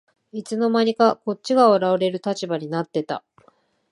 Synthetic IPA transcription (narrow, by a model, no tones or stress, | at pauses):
it͡sɨno̞maɲ̟ikako̞tɕiɡaoɾaoɾe̞ɾɯ̟t̪at͡ɕibaɲ̟inat̪ːe̞t̪a̰